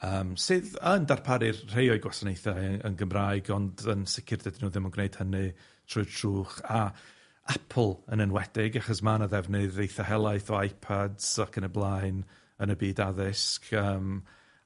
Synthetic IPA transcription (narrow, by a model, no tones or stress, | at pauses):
əːmsɨðəndarpʰaɾɪrr̥ejɔjɡwasanejθaə̰nɡəmraːɨɡɔndənsɪkʰɪrdɛdinuːðɪmɔnɡnejd̥hənɨ | tʰrʊɨ̥tʰruːχa | apʰl̩ˠənənwɛdɪɡaχɔsmanaðɛvnɨðejθahɛlˠaɨθɔajpʰadz̥akʰənəblˠaɨn | ənəbiːdaðɪskʰəːm